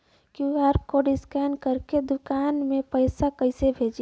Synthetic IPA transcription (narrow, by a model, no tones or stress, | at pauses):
kuɛɾp̚koɖɪskɛnkəɾked̪ʊkaːnmẽpəɪsakəɪsebʱeːd͡ʒ